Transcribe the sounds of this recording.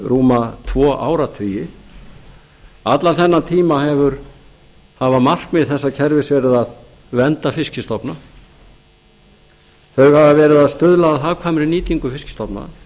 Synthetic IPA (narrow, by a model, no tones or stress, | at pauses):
ruːmat̪ʰvɔːʔa̰ːwɾat̪ʰʏjɪ | at̪lanθɛnːant̪ʰiːmahɛvʏɾ | havamar̥kmɪðθɛsːacʰɛɾvɪsvɛːɾɪðað | vɛnt̪afɪscɪst̪ɔpna | θœɥɣhavavɛːɾɪðaðst̪ʏðlaðaðɦavkʰvaːmɪɾɪniːt̪iŋkʏfɪscɪ̥st̪ɔpna̰